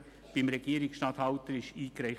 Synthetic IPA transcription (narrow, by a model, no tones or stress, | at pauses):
b̥ɪmɾɛɡ̥iəɾɪksʃtɑːt̪hɑʊt̪əɾɪʃiːkɾæɪ